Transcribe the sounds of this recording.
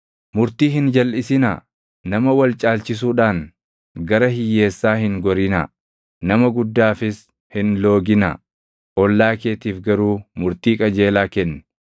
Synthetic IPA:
mʊɾt̪iːɦɪnd͡ʒɐlʔɪsɪnɐ | nɐmɐwɐlt͡ʃʼaːlt͡ʃɪs̬uːᶑaːn | ɡɐɾɐɦɪjːe̞ːsːaːhɪŋɡɔɾɪnɐ̰ | nɐmɐɡʊd̪ːaːfɪs | hɪnlo̞ːɡɪnɐ̰ | ʔɔlːaːkeːt̪iːfɡɐɾuːmʊɾt̪iːkʼɐd͡ʒe̞ːlaːkɛnː

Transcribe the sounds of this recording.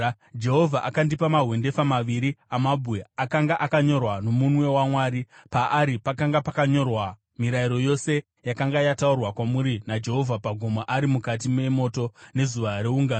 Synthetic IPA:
d͡ʒe̞ɦo̞vʱaʔakandipamaɦwe̞nde̞famaʋiɾiamabʱuweakaŋɡaʔakaɲo̞rwano̞munwe̞wamwaːɾipaʔːɾipakaŋɡapakaɲo̞rwa | miɾaiɾo̞jo̞se̞ | jakaŋɡajataurwakwamuɾinad͡ʒe̞ɦo̞vʱapaɡʱomaʔaɾimukat̬ime̞mo̞ːto̞ne̞zuʋaɾeuŋɡaːn

